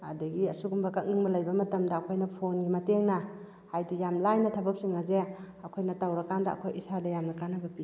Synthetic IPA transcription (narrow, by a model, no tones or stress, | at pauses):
a̰dɐɡiɐsuɡumbɐkak̚nɯŋbɐlɐjbɐmɐtɐmdaːkʰojnɐpʰonɡimɐteŋna | hajdijamlajnɐtʰabɐk̚siŋaze | ɐkʰojnɐtawɾɐkandɐɐ̰kʰojisadɐjamnakanabɐpi